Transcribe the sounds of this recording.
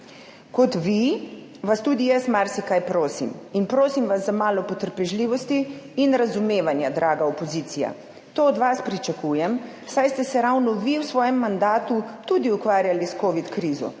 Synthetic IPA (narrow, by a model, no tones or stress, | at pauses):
kɔt̪ʋi | ʋast̪uːd̪ijɛst̪maɾsikajpɾoːsḭminpɾoːsimʋaszamaːlɔpɔt̪əɾpɛʒliːʋɔst̪iːnɾazumeːʋanjad̪ɾaːɡaɔpɔziːt̪sija̰ | t̪oːd̪ʋaspɾit͡ʃakujɛm | sajst̪ɛsɛɾawnɔʋiwsʋɔːjɛmːand̪aːt̪ut̪ud̪iukʋaːɾjaliskoːʋit̪kɾiːzɔ̰